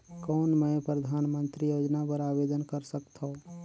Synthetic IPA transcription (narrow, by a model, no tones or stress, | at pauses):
kɔːnmɛpɾəd̪ʱaːnmə̃nt̪ɾijoːd͡ʒnapəɾaːbeːd̪ənkəɾsəkt̪õ